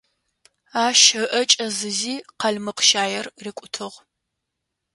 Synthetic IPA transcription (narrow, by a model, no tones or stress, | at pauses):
aːʃɐʔɐt͡ʃʼɐzɨziːqɐɮmɨqʃaːjɛrrɪkʷʼʊtʰɨʁ